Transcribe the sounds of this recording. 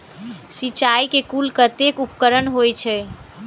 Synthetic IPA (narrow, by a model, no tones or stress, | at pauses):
sit͡ʃajkekulkət̪ekupkəɾənɦojt͡ʃʰɛ